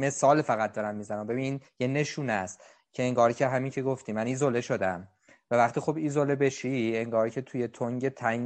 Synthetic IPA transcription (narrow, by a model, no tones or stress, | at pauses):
me̞sɒːlfæɣæt̪̚d̪ɒɾæmːiːzænæmbe̞binjene̞ʃuːnæst̪ | cʰeeŋɡɒːɾcʰeɦæmiːŋcʰe̞ɡoft̪iːmæniːzole̞ʃo̞d̪æm | vævæχt̪iːxobiːzolebeʃieŋɡɒːɾcʰe̞t̪ʰuje̞t̪ʰoŋɟe̞t̪ʰæ